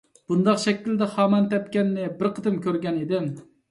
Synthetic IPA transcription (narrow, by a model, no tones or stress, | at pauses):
b̥und̪ɑqʃɛkʲːild̪ɪχɑːmɛnt̪ɛp̚kʲɛnːɪbɪɾqʰəd̪ɨmkʲʰøɾɡʲɛned̪ɪm